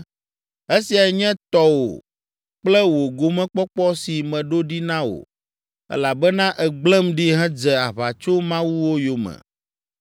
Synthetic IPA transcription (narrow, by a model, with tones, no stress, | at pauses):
e˦si˨a˨ɲɛ̃˦t̪ɔ˦wo̰˨ | k͡plɛ˦wo˨ɡo˨mɛ̃˦k͡pɔ˦k͡pɔ˦si˨mɛ̃˨ɖo˦ɖi˦nã˦wo̰˨ | ɛ̰˦la˨bɛ˦nã˦ʔɛ˨ɡ͡blɛ˦mɖi˦ɦɛ̃˦d͡zɛ˨a˨βa˨t͡ʃo˦mã˦wu˦wo˦jo˨mɛ̰̃˨